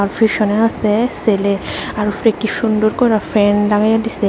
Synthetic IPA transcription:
aɾfiʃɔneast̪eseleaɾufɾekːiʃund̪oɾkɔɾafɛnlaɡajad̪ise

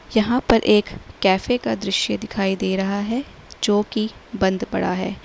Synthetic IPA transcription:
jɐɦãpɐɾʔeːkːɛːfekad̪ɾɪʃjəd̪ɪkʰaːid̪eːɾɐɦaɦɛ | d͡ʒoːkibɐ̃nd̪bɐ̰ɽaɦɛː

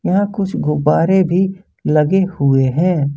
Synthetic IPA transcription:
jɐɦãkʊt͡ʃʰɡʊbaːɾebʱi | lɐɡehʊeɦɛ̃ː

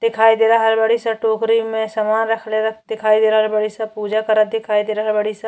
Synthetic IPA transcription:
d̪ɪkʰaːid̪eːɾaɦɐɾbɐɽ̤isɐʈoːkɾimẽsɐmaːnɾɐkʰleɾɐd̪ɪkʰaːid̪eːɾaɦɐɾbɐɽisɐpuːd͡ʒakɐɾəd̪ɪkʰaːid̪eːɾaɦɐɾbɐɽisɐ

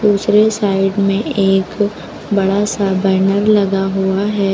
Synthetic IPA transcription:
d̪uːsɾesaːɪɖmẽeːk | bɐɽasabɛːnəɾlɐɡaɦuaɦɛː

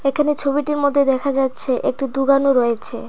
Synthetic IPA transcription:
ekʰanet͡ɕʰobiʈiɾmod̪ʱːed̪ɛkʰad͡ʑatːɕʰeʔek̚ʈid̪uɡanoɾɔet͡ɕʰe

